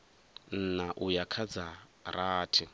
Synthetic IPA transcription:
n̩naʔujakʰad͡zaɾaːtʰi

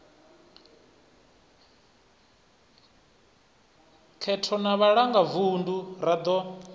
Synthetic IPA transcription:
kʰɛtʰɔnaβaɺaŋɡavunduɾad̪ɔ

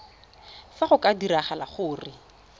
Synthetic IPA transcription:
faχʊkʼadiɾaχalaχʊːrɪ

